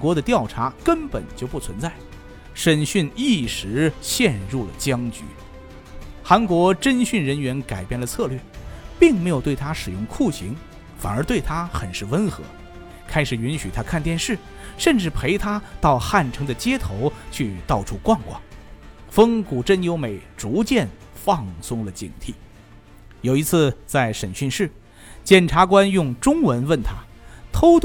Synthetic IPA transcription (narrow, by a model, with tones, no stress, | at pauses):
kwɔ˧˥d̪ə˧t̪jɑ˥˩ʊʈ͡ʂʰa˧˥kə˥npə̰˨˩nt͡ɕjo˥˧ʊpu˥˩t͡sʰwə˧˥nt͡sa˥˩ɪ | ʂə˥nɕy˥˧ni˥˩ʂɻ̩˧˥ɕjɛ˥˧nɻu˥˩lə̰˩t͡ɕjɑ˥ŋt͡ɕy̰˧˥ | xa˧˥nkwɔ˧˥ʈ͡ʂə˥nɕy˥˩nɻə˧˥nɥɛ˧˥nka˨˩ɪpjɛ˥˩nlə˩t͡sʰɤ˥˧lɥɛ˥˩pi˥˩ŋme˧˥ɪjʊt̪we˥˩ɪt̪ʰa˥ʂɻ̩˨˩jʊ̰˧˥ŋkʰu˥˩ɕḭ˧˥ŋ | fa̰˨˩nə˞˧˥t̪we˥˩ɪt̪ʰa˥xə˨˩nʂɻ̩˥˩wə˥nxɤ̰˧˥ | kʰa˥ɪʂɻ̩˨˩y˧˥nɕy˨˩t̪ʰa˥kʰa˥˧nt̪jɛ˥˧nʂɻ̩˥˩ | ʂə˥˧nʈ͡ʂɻ̩˥˩pʰe˧˥ɪt̪ʰa˥t̪ɑ˥˧ʊxa˥˩nʈ͡ʂʰɤ˧˥ŋd̪ə˨t͡ɕjɛ˥t̪ʰo˧˥ʊt͡ɕʰy˥˧t̪ɑ˥˩ʊʈ͡ʂʰu˥kwa˥˧nkwɑ̰˥˩ŋfə˥ŋku˨˩ʈ͡ʂə˥˩njo˥ʊme˨˩ɪʈ͡ʂu˧˥t͡ɕjɛ˥˧n | fɑ˥˩ŋsʊ˥ŋlə˨t͡ɕḭ˨˩ŋt̪ʰi˥˩ | jo˨˩ʊi˧˥t͡sʰɹ̩˥˧t͡sa˥˩ɪʂə˨˩nɕy˥˧nʂɻ̩˥˩ | t͡ɕjɛ˥˩nʈ͡ʂʰa˧˥k̬wa˥njʊ˥˩ŋʈ͡ʂʊ˥ŋwə˧˥nwə˥˩nt̪ʰa˥ | t̪ʰo˥ʊt̪